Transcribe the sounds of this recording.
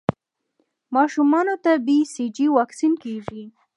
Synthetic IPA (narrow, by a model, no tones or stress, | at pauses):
mɑʃumɑnot̪abisid͡ʒiwɑksinkeʐi